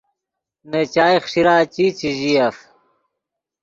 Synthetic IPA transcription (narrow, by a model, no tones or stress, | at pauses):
net͡ɕaːiχʂiɾaːt͡ɕiːt͡ɕiʑijɐf